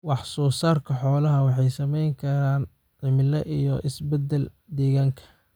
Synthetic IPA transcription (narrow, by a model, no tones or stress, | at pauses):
wɑħsɔːsaːrkʰɐħɔːlɐɦɐwɑħɑjsɐmɛjŋkʰɐɾaːn | ʕɪmɪlɐʔijɔʔɪsbɛd̪ːɛl | d̪ɛːɣaːŋkʰɐ̥